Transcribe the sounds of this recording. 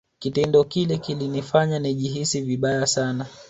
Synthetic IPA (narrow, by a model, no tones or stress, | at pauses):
kitɛndɔkilɛkilinifaɲaniʄiɦisiviɓajasana